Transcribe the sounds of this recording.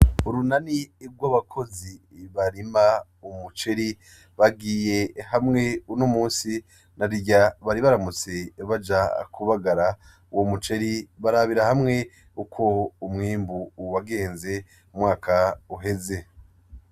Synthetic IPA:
uɾunaniɾɡwaβakʰo̞zi | βaɾima | umut͡ʃe̞ɾi | βaɡiːje̞hamŋe̞unomuːnsi | naɾiɟaβaɾiβaɾamut͡se̞βad͡ʒakʰuβaɡaɾa | womut͡ʃe̞ɾiβaɾaβiɾahamŋe̞ | ukʰo̞ːmŋiːmbuwaɡe̞ːnze̞ | umŋaːkʰauɦe̞ze̞

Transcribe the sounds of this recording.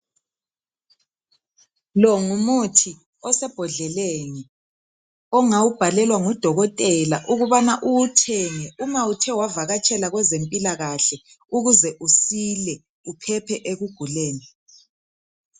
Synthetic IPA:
lɔŋumutʰi | ɔsɛb̥ʱɔɮɛleŋɛ | ɔŋawub̥ʱalɛlwaŋɔd̥ʱɔɣɔtʼɛlaʔuɣuβanaʔutʰɛŋɛʔumawutʰɛwavaɣat͡ʃʼɛlaɣwɛzempʼilaɣaɬɛ | uɣuzɛʔusilɛ | upʰɛpʰɛʔeɣuɡ̥ʱulɛːnɛ

